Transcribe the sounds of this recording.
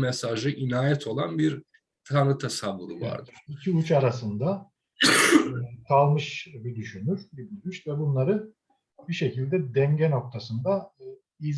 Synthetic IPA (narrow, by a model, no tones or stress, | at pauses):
mɛsaʒɯʔinaːjɛt̪ʰo̞lˠanbiɾ | t̪ʰanɯt̪ʰasavːṵlˠṵva̰ɾd̪ɯɾ̥icʰiut͡ʃaɾasɯnd̪a | k̪ʰalˠmɯʃbid̪yʃynyɾ̥bibilʲmiʃvɛbunlˠaɾɯ | biʃe̞cilʲd̪ɛd̪ɛnɟɛno̞k̚t̪ʰasɯnd̪a | iz